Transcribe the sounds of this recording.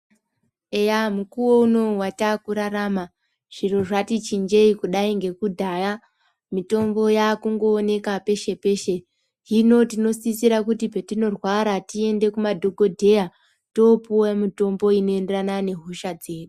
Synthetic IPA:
e̞jamukuwo̞uno̞watakuɾaɾaːma | ʐ̥iro̞ʐatit͡ʃind͡ʒe̞ikuɗaiŋɡe̞kudʱaja | mito̞mbo̞jaːkuŋɡo̞ːne̞kape̞ʃe̞pe̞ʃe̞ | ɦino̞tino̞sisiɾakutipetino̞rwaɾatie̞nde̞kumadʱo̞ɡʱo̞dʱe̞ja | to̞puwamito̞mbo̞ino̞e̞nderanane̞ɦuʃad͡ze̞ːɗu

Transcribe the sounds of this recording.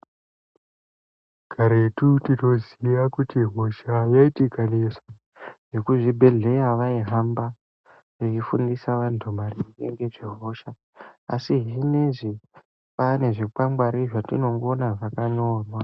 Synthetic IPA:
ɡ̥ʱaɾetutino̞ziʋakutiɦoʃajaitikaneswa | ʐ̥e̞kuʐibʱe̞ɮe̞jaʋaiɦamba | ʐeifundisaʋantʰumariɡḛŋɡe̞ʐiɦo̞ʃa̰ː | siʐine̞ʐi | pane̞ʐikwamwaɾiʐatino̞ŋɡonaʐakaɲo̞ːrwa

